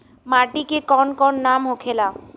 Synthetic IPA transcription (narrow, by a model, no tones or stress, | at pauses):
maʈikekɔnkɔnːamɦokʰela